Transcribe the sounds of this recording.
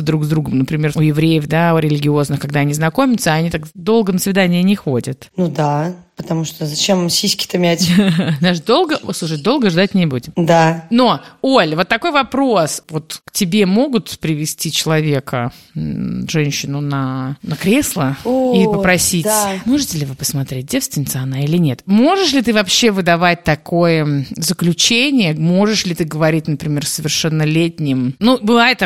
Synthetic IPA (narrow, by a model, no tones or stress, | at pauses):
d̪ɾuɡzd̪ɾuɡəmnəpɾʲɪmʲe̞rʊjɪvɾʲejəvd̪aʊɾʲɪlʲɪɡʲɪo̞znɨxkɐɡd̪aɐnʲiznɐko̞mʲɪt̪səɐnʲit̪akd̪o̞lˠɡənəsvʲɪd̪anʲɪənʲɪxodʲət̪nud̪a | pət̪ɐmuʂt̪ozɐt͡ɕemsʲisʲkʲɪ̥t̪ɐmʲætʲnaʂd̪o̞lˠɡəslˠuʂ̬ɨt̚ʲd̪o̞lˠɡəʐd̪at̚ʲnʲɪbudʲɪmd̪ano̞o̞lʲvo̞t̪ːɐko̞jvɐpɾo̞svo̞t̪ktʲɪbʲe̞mo̞ɡʊt̪pɾʲɪvʲɪsʲtʲit͡ɕɪlˠɐvʲe̞kə | ʐɛnʲɕːɪnʊnɐnəkɾʲeslˠəipəpɾɐsʲitʲmo̞ʐɨtʲɪlʲɪvɨpəsmɐt̪ɾʲet̚ʲdʲefst̪vʲɪnʲɪt̪sɨɐnailʲɪnʲe̞t̪moʐɨʂlʲɪt̪ɨvɐpɕːe̞vɨd̪ɐvat̚ʲt̪ɐko̞jəzəklʲʉt͡ɕenʲɪjəmo̞ʐɨʂlʲɪt̪ɨɡəvɐɾʲit̚ʲnəpɾʲɪmʲersəvʲɪrʂɛnːəlʲetʲnʲɪmnubɨvajɪt̪